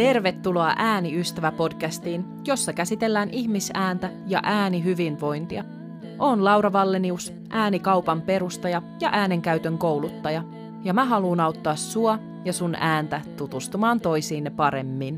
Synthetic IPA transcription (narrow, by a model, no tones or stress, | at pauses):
t̪e̞rʋe̞t̪ːulo̞ɑʔæːniyst̪æʋæpo̞dkæst̪iːn | jo̞sːɑkæsit̪e̞lːæːnʔiçmisæːnt̪æjɑ̰ʔæːniɦyʋinʋo̞jnt̪iɑ | ʔoːnlɑwɾɑʋɑlːenius | ʔæːnikɑwpɑmpe̞ɾust̪ɑjɑjɑʔæːne̞ŋkæyɥt̪ø̞ŋko̞wlut̪ːɑjɑ | jɑmæɦɑluːnɑuwt̪ːɑːsːuɑ | jɑsunæːnt̪æt̪ut̪ust̪umɑːnt̪o̞jsiːnːepɑɾe̞mːin